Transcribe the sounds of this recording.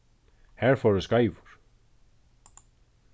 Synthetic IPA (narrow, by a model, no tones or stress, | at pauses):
hɛɾ̥fɔwɾʏskaːjvʊɾ̥